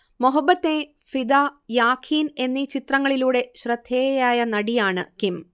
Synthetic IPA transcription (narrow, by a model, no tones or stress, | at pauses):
moɦɐbːɐt̪ːe | fid̪ajaːkʰiːne̞nːit͡ɕit̪rɐŋːɐɭiluːɽe̞ɕrɐd̪ʱːeːjaːjɐnɐɽijaːɳɨ̰kim